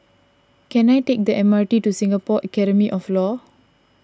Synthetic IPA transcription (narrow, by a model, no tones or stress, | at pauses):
kɛ̃najtek̚dəʔɛmaɹtitusĩŋɡapɔʔəkɛɾəmiʔɔflɔ